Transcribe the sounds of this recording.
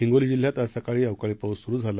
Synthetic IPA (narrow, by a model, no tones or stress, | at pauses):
iŋɡolid͡ʑil̤jat̪əsakaɭiːəʋkaɭiːpəwsuɾuːd͡zʱal